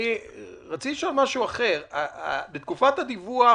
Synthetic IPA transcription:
i | ʁat͡siliʃo̞lmaʃuaχe̞ʁaa̰bet̪kufat̪had̪ivua

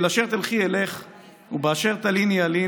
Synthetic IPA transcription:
laʃeʁt̪alχieleχ | ubeaʃeʁt̪alinjali

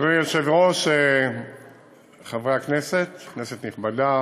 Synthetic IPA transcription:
ʁijeʃevʁoʃe | χavʁeakneset̪kneset̪niχbada

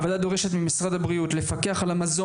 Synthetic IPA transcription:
vod̪ad̪o̞ʁeʃe̞t̪mimisʁad̪abʁiut̪le̞fake̞aχalamazo

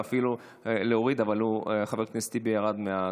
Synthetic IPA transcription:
afilu | eleoʁid̪avalueχaveʁk̪nest̪ibejaʁad̪mea

